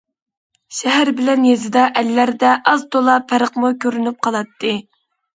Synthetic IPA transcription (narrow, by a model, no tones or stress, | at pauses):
ʃɛɦæɾbɪlɛnjezɪd̪ɑʔɛlːæɾd̪ɛʔɑzt̪olˠɑpʰæɾəqmukʲʰøɾynyp̚qʰɑlˠɑt̪ʰːɨ